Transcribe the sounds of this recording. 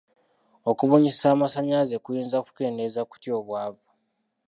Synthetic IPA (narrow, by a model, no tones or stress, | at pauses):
o̞kuβuɲissaːmasaɲazekujiːnzaku̥ke̞ːndezaku̥tjo̞ːβwaːvu